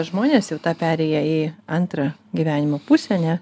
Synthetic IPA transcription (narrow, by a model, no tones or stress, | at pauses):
ʒmoːnʲeːsjɛʊt̪ɑːpʲæːɾʲɛɪjɛiɐnt̪ɾɐɡʲiːʋʲæːnʲɪmoːpusʲɛnʲɛ